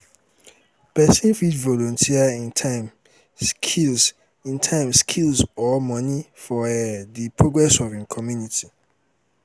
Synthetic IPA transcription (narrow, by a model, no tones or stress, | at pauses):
pɛsĩnfidvɔlɔ̃ntʰiaĩntʰãɪm | skʰils | ĩntʰãɪ̃mskʰilsɔlmɔ̃nifɔdipʰɹoɡɹɛsɔvĩnkʰɔmjuniti